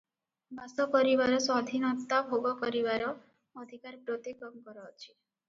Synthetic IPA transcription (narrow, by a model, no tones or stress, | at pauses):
bʱasɔkɔɾibaɾɔsad̪ʱinɔt̪abʱoɡɔkɔɾibaɾɔː | d̪ʱikaɾpɾot̪ikɔŋkɔɾɔːt͡ʃʰi̥